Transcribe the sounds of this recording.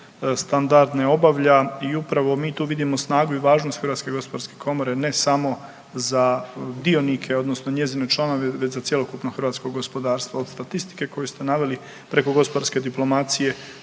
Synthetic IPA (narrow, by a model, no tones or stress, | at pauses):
st̪and̪aɾd̪neo̞baʋʎaiupɾaʋo̞miːt̪uːʋid̪imo̞snaːɡuiʋaːʒno̞st̪xɾʋat̪ske̞ɡo̞spod̪aɾske̞kʰo̞mo̞ɾe̞ne̞samo̞ | zad̪ionikʰe̞o̞d̪nosnoɲe̞zinet͡ʃlˠano̞ʋeʋet͡ɕzat̪sje̞lo̞kupnoxrɾʋaːt̪skoɡospo̞d̪aːɾst̪ʋaod̪st̪at̪ist̪i̥ke̞ko̞just̪enaʋe̞li | pɾe̞ko̞ɡo̞spod̪aɾske̞d̪iplo̞mat̪sije̞